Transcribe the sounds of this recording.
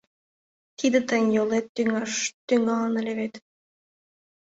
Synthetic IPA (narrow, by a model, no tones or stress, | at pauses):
t̪id̪ɘ̆t̪ə̆nʲjolˠet̪ːyŋɑʃt̪yŋɡɑlɑnɘ̆lʲĕβet̪